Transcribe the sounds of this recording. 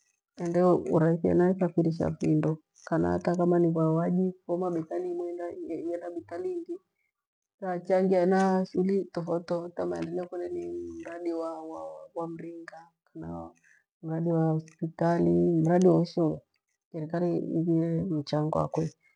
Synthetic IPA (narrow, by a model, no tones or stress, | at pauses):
ɛndɛuɾaiθia̰naisafiɾiʃ̬a̰findɔ | kana̰a̰takamaniβawaʄifɔmaɓɛtalimwɛndajɛnaɓitaliŋɡi | tat͡ʃaŋɡianaʃulitɔfɔtɔtamaɛndɛlɛkɔnɛnim̩ɾaɗiwawawam̩ɾiŋɡa | kana̰ | m̩ɾaɗiwaɔspitalim̩ɾaɗiwauʃɔja | ʃɛɾikaɾiḭβiɾɛm̩t͡ʃaŋɡɔwa̰kwɛ